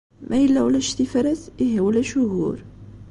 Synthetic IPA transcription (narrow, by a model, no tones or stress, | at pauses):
mʔæjəlːæwlæʃt̪ifɾæt̪iɦæwlæʃʊɦuɾ